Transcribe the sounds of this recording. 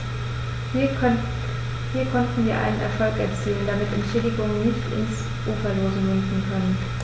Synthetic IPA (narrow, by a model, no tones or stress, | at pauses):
hiːɐkʰɔntn̩viːɐʔa̰ɪnənʔɛ̰ɐfɔlkɛ̰ɐt͡siːləndamɪtɛnʃeːdɪɡʊŋənnːɪçtɪ̰ns | ʔuːfɐloːzəmɪnfn̩kʰœnən